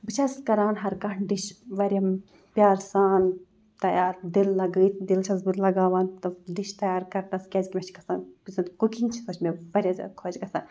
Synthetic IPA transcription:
bɨt͡ʃʰɐskɐɾaːnɦɐɾkɐɳɖiʃʋɐɾʲɐm | pʲjaːɾsaːn | t̪ɐjaːɾd̪ilːɐɡɨːt̪ʲʰd̪ilt͡ʃʰɐsbɨt̪lɐɡaːʋaːnt̪ɐɖiʃt̪ɐjaːɾkɐɾnɐskʲɐzʲkʲimɐt͡ʃʰikɐsaːnpisɐnt̪kukint͡ʃʰi̥sɐt͡ʃʰmeʋɐɾʲjɐzɐ̰kʰod͡ʒɡɐsa̰ːn

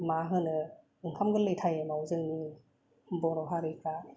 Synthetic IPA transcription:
maɦɯnɯ | ɯŋkʰamɡɯlɯjtʰajemawzɯŋni | bɔnɔɦaɾɯkʰa

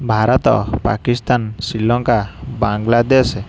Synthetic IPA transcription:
bʱaɾɔt̪ɔ̰pa̰kist̪ansilɔŋkabaŋɡlad̪es

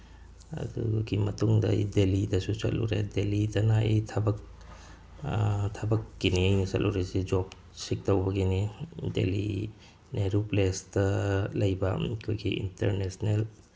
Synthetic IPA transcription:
ɐ̰dṵɡimɐtuŋdɐ̰ḭdelidɐsusɐ̰tlṵɾḛdelidɐnaʔḭjtʰɐbɐk̚ | tʰɐbɐkːiniejnisɐtlʔuɾesid͡ʒop | sik̚tɐwbɐɡinidḛlḭ | neɾuplestɐlɐjbɐkʰojɡiḭntḛɾnesnel

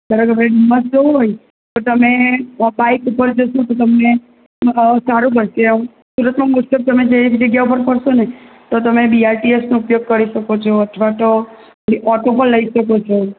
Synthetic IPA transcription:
d̪əɾəkəmɾeɖiməsd͡ʒoɦoj | t̪ət̪əmebaikupəɾd͡ʒəʃot̪ot̪əmne | saɾũkəɾʃeũ | suɾət̪mamusəb̚t̪əmed͡ʒeiid͡ʒeɡɛʋpəɾpəɾʃone | t̪ot̪əmebiaɾʈiesnoupjoɡ̚kəɾiʃəkot͡ʃʰoət̪ʰʋat̪o | niʔɔʈopəlːəiʃəkot͡ʃʰo

